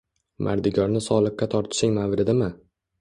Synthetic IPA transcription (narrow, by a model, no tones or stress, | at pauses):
mʔa̰ɾd̪ɪɡʲɒɾnɪsɒlˠɨqːat̪ʰɒɾt̪ʰɪ̥ʃɪŋmavɾɪd̪ɪmɪ